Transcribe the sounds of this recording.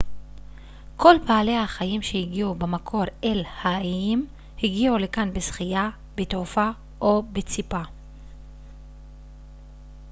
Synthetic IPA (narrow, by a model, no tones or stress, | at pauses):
kʰo̞lpaːle̞haχajimʃe̞hiɡiubemakʰo̞ʁelhaim | hiɡiule̞kanbesχija | betofa | ʔobet͡sipa